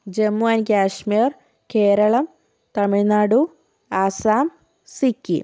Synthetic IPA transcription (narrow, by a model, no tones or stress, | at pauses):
d͡ʑemːuaːnkʲaːʂmiːr | ke̞ːɾɐɭɐm | t̪ɐmiɻnaːɽu | aːsaːm | sikʲːḭ